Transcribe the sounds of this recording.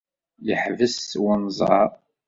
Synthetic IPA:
jəħvəswənzˤɑ̰ˤ

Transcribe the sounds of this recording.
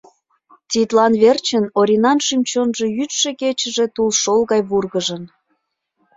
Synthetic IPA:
t̪ʲit̪lɑnβert͡ɕənoɾʲinɑnʃymt͡ɕonʒejyt̪ʃeket͡ɕəʒet̪ulʃolɣɑjβurɣəʒən

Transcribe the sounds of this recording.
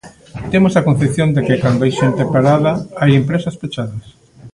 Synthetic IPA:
t̪emosɐkon̟θeθjond̪ekɪkand̪oajʃent̪epaɾaðɐajempɾesɐspet͡ʃaðɐs

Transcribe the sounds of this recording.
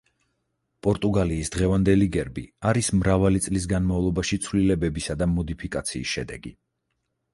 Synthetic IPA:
pʼɔɾt̪ʼuɡaliːsd̪ʁɛvand̪ɛliɡɛɾbḭaɾismɾavalit̪sʼlis̬ɡanmavlˠɔbaʃit̪sʰvlilɛbɛbisad̪amɔd̪ipʰikʼat̪sʰḭːsʃɛ̰d̪ɛ̰ɡi

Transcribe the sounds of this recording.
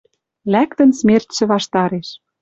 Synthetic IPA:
lækt̪ə̆nsmert̪ʃɘ̆βɑʃt̪ɑɾeʃ

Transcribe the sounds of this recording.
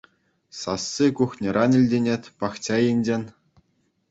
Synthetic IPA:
sɑ̰sːikuxnʲĭɾʔɑnʲɘ̆lʲdʲenʲetʲpɑχt͡ɕɑjinʲd͡ʑĕnʲ

